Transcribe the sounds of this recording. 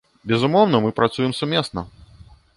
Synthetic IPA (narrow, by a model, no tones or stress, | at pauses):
bʲɛzumɔwnɐmɨpɾat̪sujɛmsumʲeɛsnɐ